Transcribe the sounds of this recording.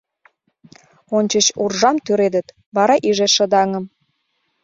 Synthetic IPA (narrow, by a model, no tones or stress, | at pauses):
onʲt͡ɕət͡ɕurʒɑmt̪yɾed̪ət̪ | βɑɾɑʔiʒeʃə̆d̪ɑŋɤ̆m